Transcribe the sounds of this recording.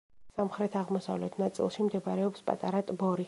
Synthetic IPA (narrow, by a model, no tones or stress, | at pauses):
samχɾɛt̪ʰaʁmɔsa̰vlɛt̪ʰnat̪sʼḭlˠʃimd̪ɛbɾɛɔpspʼa̰t̪ʼaɾat̪ʼbɔɾi